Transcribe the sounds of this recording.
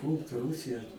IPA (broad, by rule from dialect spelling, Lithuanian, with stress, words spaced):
ˈpuːlˠt ˈruːsʲɪjɛ